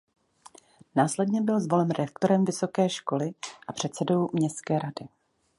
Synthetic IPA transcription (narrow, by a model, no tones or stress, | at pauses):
naːslɛdɲɛbɪlzvo̞lɛmɾɛk̚t̪o̞ɾɛmvɪso̞kɛːʃko̞lɪʔapr̝̥ɛt̪sɛdo̞wmɲɛst̪kɛːɾadɪ